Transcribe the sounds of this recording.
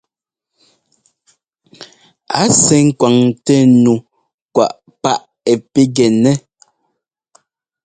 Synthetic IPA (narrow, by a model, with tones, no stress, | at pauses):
a˨˦sɛ˨ŋ̩˦kwa˨ŋtɛ˦nu˨ | kwa̰˨ʔ | pa˦ʔ | ɛ˨pe˦ɡɛ˨nɛ˦